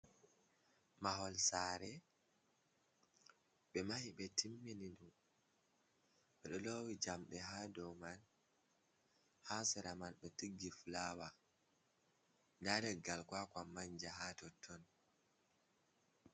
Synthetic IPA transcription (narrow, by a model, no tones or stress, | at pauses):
maɦɔlsaːɾɛ | ɓɛmahiɓɛtʰimːinindum | ɓɛɗɔlowid͡ʒamɗɛɦaːdɔwman | hasɛɾamanɓɛtiɡːifulawa | ndaɾɛɡalkwakwamːaɲd͡ʒaɦatɔtʰːɔn